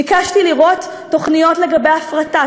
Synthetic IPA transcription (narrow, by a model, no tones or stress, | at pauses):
ikaʃtiliʁo̞tː | o̞χnijo̞tle̞ɡabe̞jafʁata